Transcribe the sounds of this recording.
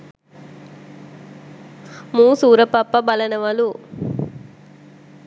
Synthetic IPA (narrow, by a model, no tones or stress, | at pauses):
muːsuːɾɐpɐpːɐbɐlɐnɐʋɐlu